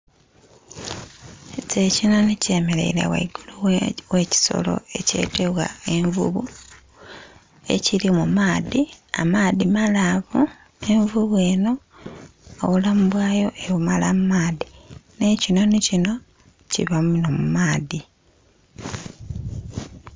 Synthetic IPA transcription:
cecino̞nice̞ːme̞le̞̰iɾa̰wa̰iɡuluwe̞ːci̥so̞̰lo̞̰e̞ce̞̰ːte̞βwa̰e̞ɱvṵβu | e̞̰cilimumaːðia̰maːðimalaβu | e̞ɱvuβwe̞ːno̞ | o̰βulamuβwaːjo̞ʔeβumalamumaːðine̞cino̞nicino̞ | cḭβamuno̞mumaːði

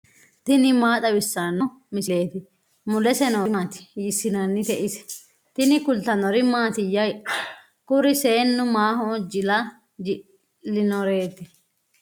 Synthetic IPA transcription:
t̪ɪnɪmaːt̪ʼɐbɪsːanɔ | mɪsle̞ːt̪ɪ | mʊlɛsɛnɔmaːt̪ɪ̥jɪsːɪnanːɪt̪ɛʔɪsɛ̥ | t̪ɪnɪkʊlt̪ɐnɔɾɪmaːt̪ɪjːɐj | kʊɾɪseːnːʊmaːhɔːd͡ʒɪlɐ | d͡ʒɪ | lːɪnɔɾe̞ːt̪ɪ

